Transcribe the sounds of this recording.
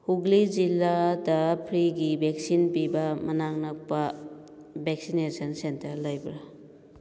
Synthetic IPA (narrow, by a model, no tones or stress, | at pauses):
huɡlid͡ʒilːadɐpʰɾiɡibʱek̚sinpibɐmɐnaŋnɐk̚pɐ | bʱek̚sinesɐnsentɐɾlɐjbɾa